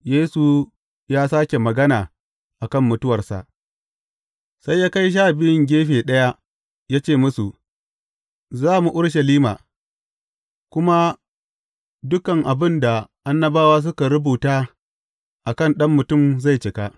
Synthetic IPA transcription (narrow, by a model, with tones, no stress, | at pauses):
jeː˦su˨ | jaː˦saː˦kʲe˨mɐ˨ɡɐ˦naː˨ | ʔa˨kɐ˦mːʊ˨tʊ˦wɐ˨rsa̰˨ʔ | sa˦jːaː˦ka˦jʃ̬aː˦˨bɪ˦ɪ˦ŋɡʲeː˦ɸeː˨ɗɐ˦ja˦ | jaː˦t͡ʃeː˦˨mʊ˦su˨ | zaː˦˨mu˨ʔʊ˦ɽʃɐ˨liː˦maː˨ | kʷʊ˦ma˦ | dʊ˦kɐ˨ŋʔa˨bɪ˦nda˨ʔa˦nːɐ˦baː˦waː˦s̬ʊ˦ka˨ɽʊ˦buː˨taː˦ | ʔa˨kɐ˦˨nɗɐ˦mːʊ˨tʊ˦˨mza˦˨jt͡ʃɪ˨ka˦ʔ